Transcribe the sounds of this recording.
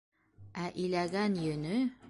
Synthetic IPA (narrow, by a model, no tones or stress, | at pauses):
æʔilæɡænjɵ̆nɵ